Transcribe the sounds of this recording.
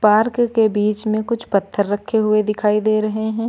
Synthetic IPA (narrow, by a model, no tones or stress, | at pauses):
paːɾkkebiːt͡ʃmẽkʊt͡ʃʰpɐt̪ʰːəɾːɐkʰːeɦʊed̪ɪkʰaːid̪eːɾɐɦeɦɛ̃ː